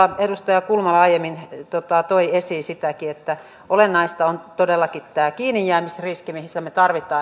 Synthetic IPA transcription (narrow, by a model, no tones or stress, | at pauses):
ɑedust̪ɑjɑkulmɑlːɑɑijemːint̪ot̪ɑt̪oiesiːsit̪ækiet̪ːæ | ʔolenːɑist̪ɑont̪odelːɑkit̪t̪æːkiːnijːæːmisriskimihisːæmet̪ɑrʋit̪ˑɑː